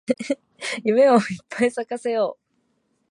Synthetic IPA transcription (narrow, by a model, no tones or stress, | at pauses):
jɯ̟me̞oipʰːaisakase̞joː